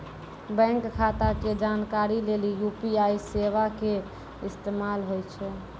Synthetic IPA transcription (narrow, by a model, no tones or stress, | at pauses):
bɛ̃ŋkkʰat̪aked͡ʒankaɾilelijupiajseʋake | ist̪emalɦojt͡ʃʰɛ